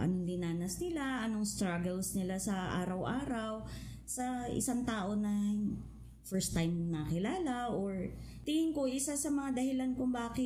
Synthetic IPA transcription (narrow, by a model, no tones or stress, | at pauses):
ʔɐ̰nond̪ɪnaːnɐsnɪlaʔɐnoŋst̪ɾaɡɛlsnɪlasɐʔa̰ːɾɐwʔaːɾɐw | sɐɪ̰saŋt̪aːʔo̞nɐ | fɛɹst̪ːajmnɐkɪlaːlɐʔoɹ | t̪ɪhɪŋkoʔɪsasɐmɐŋad̪ɐhɪlankʊŋbaːkɪ